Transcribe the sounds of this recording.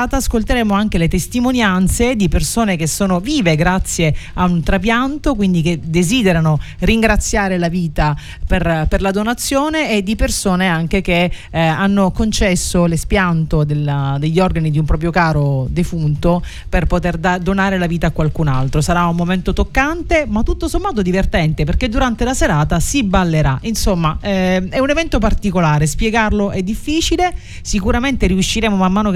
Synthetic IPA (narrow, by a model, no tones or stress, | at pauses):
t̪aːskolt̪eɾeːmoaŋk̟elet̪est̪imonjant̪sed̪ipersoːnek̟esːoːnoviːveɡɾat̪sːjeaunt̪ɾapjant̪okwind̪iked̪eziːd̪eɾanoriŋɡɾat̪sːjaːɾelaviːt̪a | perperlad̪onat̪sːjoːneːd̪ipersoːneaŋk̟ek̟e | anːokont͡ʃɛsːolespjant̪od̪eld̪eʎːɔrɡanid̪iumpɾɔːp̬ɾjokaːɾod̪efunt̪o | perpot̪erd̪ad̪onaːɾelaviːt̪aːkwalkunalt̪ɾosaɾaumːoment̪ot̪okːant̪emat̪ːut̪ːosomːaːt̪̬od̪ivert̪ɛnt̪eperked̪uɾant̪elaseɾaːt̪asibalːeɾaʔinsomːaɛɛunevɛnt̪op̬art̪ikolaːɾespjeɡarloʔɛd̪ːifːiːt͡ʃile | sikuɾament̪eɾiuʃːiɾeːmomamːaːno